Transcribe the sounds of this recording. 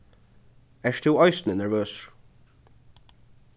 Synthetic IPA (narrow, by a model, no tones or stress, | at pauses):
ɛʃt̪ʰɪwɔjsnənɛɹvøːsɹ̥